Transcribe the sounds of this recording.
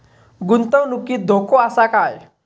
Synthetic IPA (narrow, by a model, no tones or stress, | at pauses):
ɡunt̪əwnukiːd̪ʱokʰoasakaj